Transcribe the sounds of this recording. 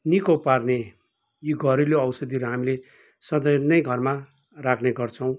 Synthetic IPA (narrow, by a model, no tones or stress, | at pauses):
nikoparne | jiɡʱʌɾiloʌwsʌd̪iɾʌɦamile | sʌd̪ʌnːʌjɡʱʌrma | rakʰneɡʌrt͡sʰʌ̃w̃